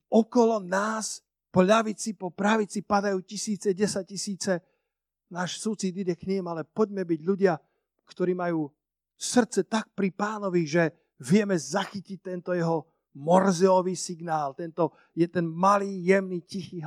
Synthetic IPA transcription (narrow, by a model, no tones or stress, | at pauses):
ɔkɔlɔnaːs | pɔʎaʋit͡sipɔpɾaʋit͡sipad̪ajuːcisiːt͡sɛɟɛsac̚cisiːt͡sɛ | naːʃsut͡sid̪idɛkɲimalɛpɔɟmɛbiɟʎuɟɪa | kt̪ɔɾiːmajuː | sr̩t̪t͡sɛt̪ak̚pɾipaːnɔʋiʒɛ | ʋɪɛmɛzaxicic̚t̪ɛnt̪ɔjɛɦɔ | mɔrzɛɔʋiːsiɡnaːlt̪ɛnt̪ɔ | jɛt̪ɛnmaliːjɛmnicixiːɦ